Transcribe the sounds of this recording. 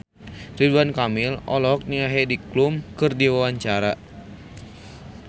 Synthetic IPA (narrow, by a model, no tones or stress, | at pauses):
riduankamɪlɔ̰lɔɦɔk̚niaɦediklumkɨrdiwawaɲt͡ʃaɾa